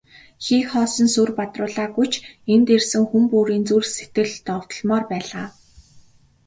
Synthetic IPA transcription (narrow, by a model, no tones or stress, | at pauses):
xiːkχɔːsɞ̆nsurpat̪rʊːɮaːɡujt͡ɕʰent̪ersɘ̆ŋxumpuːɾiːnt͡surse̥t̪ɡɘ̆ɮt̪ɔw̥t̪ɞ̆ɮmɔːrpæːɮaː